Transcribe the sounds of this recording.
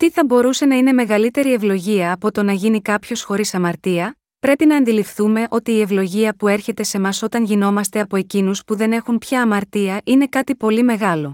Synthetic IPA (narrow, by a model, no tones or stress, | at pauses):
t̪iθɐbo̞ɾuse̞nɐine̞me̞ɣɐlit̪e̞ɾie̞vlo̞ʝiɐːpo̞t̪o̞nɐʝinikɐpço̞sxo̞ɾisɐmɐɾt̪iɐ | pɾe̞pinɐːnd̪ilifθume̞ʔo̞t̪iːe̞vlo̞ʝiɐpue̞ɾçe̞t̪e̞se̞mɐso̞t̪ɐnʝino̞mɐst̪e̞ɐpo̞e̞cinuspuðe̞ne̞xunpçɐːmɐɾt̪iɐʔine̞kɐt̪ipo̞lime̞ɣɐlo̞